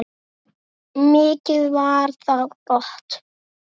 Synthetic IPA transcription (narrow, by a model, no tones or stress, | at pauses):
mɪːcɪðvaɾθaðkɔht̪